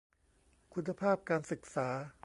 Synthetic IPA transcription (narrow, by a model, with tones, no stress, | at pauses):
kʰu˨˦nːa˧pʰaː˥˩p̚kaː˧nsɯ˨˩k̚saː˩˦